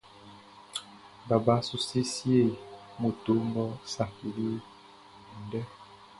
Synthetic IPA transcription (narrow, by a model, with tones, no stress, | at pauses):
ba˨ba˦su˦si˦sje˦˨ | mo˨to˦mbɔ˦sa˨ki˨li˦˨ | n̩˦dɛ˦